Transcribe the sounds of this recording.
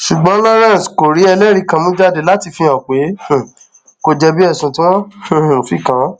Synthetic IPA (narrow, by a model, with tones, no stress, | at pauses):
ʃu˨ɡ͡bɔ̃˨˦la˦ɾã˦˨sko˨ɾi˨˦ɛ˧lɛ˦ɾi˨˧kã˧mũ˦d͡ʒa˦de˨la˨˦ti˧fĩ˧ã˨k͡pẽ˨˦˨ | ko˧d͡ʒɛ˧bi˦ɛ˦˨sũ˧˨tĩ˦wɔ̃˦˨fi˦kã˨˦